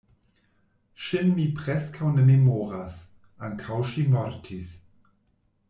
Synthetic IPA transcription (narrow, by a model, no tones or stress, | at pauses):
ʃinmipʁɛskʰawnəmemoːɾas | aŋkʰawʃimɔɾtʰis